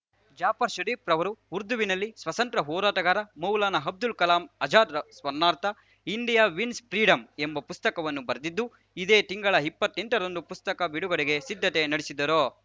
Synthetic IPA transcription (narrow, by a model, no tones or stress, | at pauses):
d͡ʒaːpɐɾʃɐɾiːpɾɐʋɐɾuuɾd̪uʋinɐlːisʋɐt̪ɐnt̪ɾɐɦɔːɾaːʈɐɡaːɾɐmɐwlaːnɐɦɐb̚d̪ulkɐlaːmɐd͡ʒaːd̪ɐsʋɐɾnaːɾt̪ɐ | iɳɖijaːʋinspɾiːɖɐmembɐpust̪ɐkɐʋɐnːubɐɾd̪id̪ːu | id̪eːt̪iŋɡɐɭɐipːɐt̪ːeɳʈɐɾond̪upust̪ɐkɐbiɽuɡɐɽeɡe̞sid̪ʱːɐt̪e̞nɐɽisid̪ːɐɾoː